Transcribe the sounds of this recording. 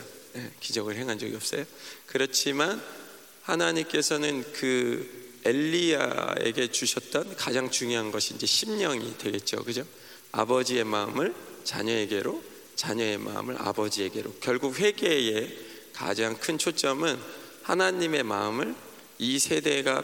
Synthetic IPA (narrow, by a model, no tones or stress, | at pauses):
jekid͡ʑʌɡɯɭɦe̞ŋɦand͡ʑʌɡḭʌp̚s͈ʌjokɯɾʌt͡ɕʰiman | hanaɲimk͈e̞sʰʌnɯnkɯ | e̞ʎːia̰ḛɡe̞t͡ɕuɕʰʌt̚t͈ʌnkad͡ʑaŋt͡ɕuŋjoɦanɡʌɕʰiːnd͡ʑe̞ɕʰimɲʌŋḭdwe̞ɡe̞t̚t͡ɕ͈o̰kɯd͡ʑo | a̰bʌd͡ʑie̞maɯmɯɭt͡ɕa̰ɲʌeɡe̞ɾo | t͡ɕaɲʌe̞ma̰ɯ̰mɯɾa̰bʌd͡ʑie̞ɡe̞ɾokjʌɭɡuk̚ɸwe̞ɡe̞e̞ | ka̰d͡ʑaŋkʰɯnt͡ɕʰot͡ɕ͈ʌmɯnhanaɲime̞ma̰ɯmɯɭ | isʰe̞de̞ɡa